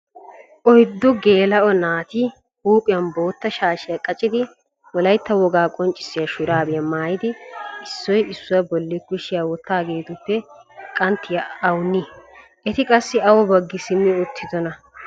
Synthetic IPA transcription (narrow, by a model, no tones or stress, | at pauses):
ʔɔjd̪ːɔɡe̞ːlɐʔɔnaːt̪ɪ | huːpʼɪjɐnbo̞ːt̪ːɐʃaːʃɪjɐkʼɐt͡ʃʼɪd̪ɪ | wɔlɐjt̪ːɐwɔɡaːkʼɔnt͡ʃʼːɪ̥sːɪjɐʃʊɾaːbɪjɐmaːjɪd̪ɪɪsːɔjɪsːʊwɐbɔlːɪkʊʃɪjɐwɔt̪ːaːɡe̞ːt̪ʊpːɛkʼɐnt̪ːɪjɐɐwnːi | ʔɛt̪ɪkʼɐsːɪɐwɔbɐɡːɪsɪmːɪʊt̪ʰːɪd̪ɔnɐ